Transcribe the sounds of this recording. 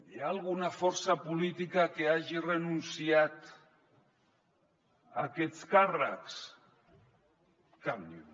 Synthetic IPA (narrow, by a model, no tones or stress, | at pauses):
jaːlˠɣ̞unafɔɾsapulit̪ikakeaʒirenunsiat̪ | a̰kɛt͡skara̰ks | kamʎu